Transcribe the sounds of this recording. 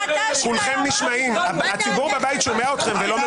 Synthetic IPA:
sulχemniʃmaimaat͡sibuʁbavajit̪ʃo̞meaot̪χe̞mvelo̞m

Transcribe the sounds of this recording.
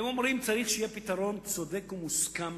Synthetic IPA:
emo̞mɾimt͡saʁiχʃejepit̪aʁo̞nt͡so̞d̪e̞kumuskam

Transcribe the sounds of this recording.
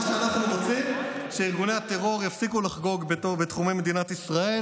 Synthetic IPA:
ʃeanaχnuʁot͡simʃeiʁɡunejhat̪eʁo̞ʁjafsikulaχɡo̞ɡbetobet̪χumejmed̪inat̪isʁae̞

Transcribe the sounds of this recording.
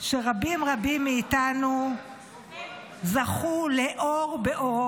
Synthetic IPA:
ʃe̞ʁabimʁabimːeːtanu | zaχuleʔoʁbe̞ʔo̞ʁo

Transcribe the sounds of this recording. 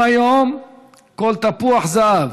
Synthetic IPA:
ajom | kolt̪apuaχzaːv

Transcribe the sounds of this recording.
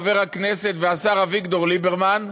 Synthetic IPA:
veʁhakneset̪veasaʁavikdoʁlibeʁman

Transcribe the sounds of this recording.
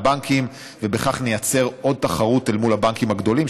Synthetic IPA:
baŋkʰim | vebeχaχne̞jat͡se̞ʁo̞d̪̚t̪aχaʁut̪elmulabaŋkimhaɡd̪o̞lim

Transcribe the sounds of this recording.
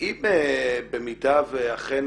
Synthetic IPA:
imebemidaveaχen

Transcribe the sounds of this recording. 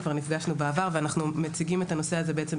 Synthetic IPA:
kvaʁnifɡaʃnubeavaʁveanaχnumet͡siɡimetano̞seaze̞beet͡se̞m

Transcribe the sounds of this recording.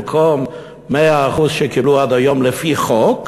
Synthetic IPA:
kʰomː | eaːχuzʃekibluad̪ajo̞mlefiχok

